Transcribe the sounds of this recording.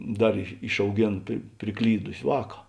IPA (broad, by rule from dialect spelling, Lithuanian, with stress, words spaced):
ˈdɐr ɪʃɐʊˈɡʲeːn pʲrʲɪ pʲrʲɪˈklʲiːdʊsʲɪ ˈʋɑːkɐ